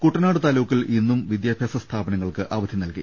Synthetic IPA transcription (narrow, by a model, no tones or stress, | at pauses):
kuʈːɐnaːɽɨt̪aːlɐʋukːilinːumʋid̪jaːbʱjaːsɐst̪ʰaːbɐnɐŋːɐɭkɨʔaːʋɐd̪ʱinɐlkḭ